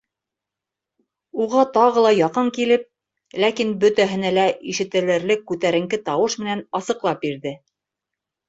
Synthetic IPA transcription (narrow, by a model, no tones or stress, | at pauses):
uʁɑt̪ɑʁɤ̆lˠɑjɑqɤŋkilɘp̚ | lækinbɵ̆t̪æɦɘ̆nælæiʃɘ̆t̪ɘ̆lɘ̆ɾlɘkːʉt̪æɾɘ̆ŋkɘt̪ɑwɤʃmɘ̆nænɑsɤ̆qlˠɑp̚biɾðɘ